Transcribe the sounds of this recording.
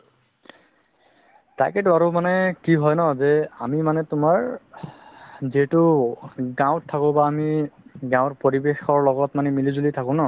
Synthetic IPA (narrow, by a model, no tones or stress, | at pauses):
tajkɛtʊaɹʊmanɛkiɦɔjnɔzɛamimanɛtʊmaɹ | ziɦɛtʊɡãw̃tʰːakʊ̃baːmiɡãw̃ɹpoɹibexɔɹlɔɡɔtmanɛmilizulitʰakʊ̃nɔ